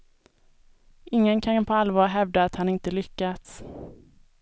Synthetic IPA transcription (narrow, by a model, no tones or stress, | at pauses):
ʔɪŋːənkʰapʰɔalvɑːɾɦɛvd̪aːt̪hanɪnt̪əlʏkːat̪s